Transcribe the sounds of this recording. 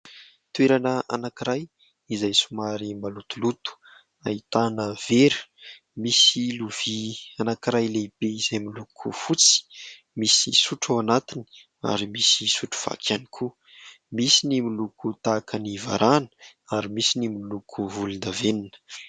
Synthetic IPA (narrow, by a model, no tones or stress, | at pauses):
t̪weɾanəa̰nakiɾaj | izajsumaɾimalut̪ulut̪u̥ | ait̪anəv̥eɾu̥ | misiluv̥ianakiɾajleb̥eizajmilukʰufut͡si̥ | misisuʈ͡ʂawanat̪ini̥ | a̰ɾimisisuʈ͡ʂu̥v̥a̰kʰanikʰu | misinimilukut̪akʰəniva̰ɾʔanə̥aɾimisinimiilukʰuvulund̪aveninə̥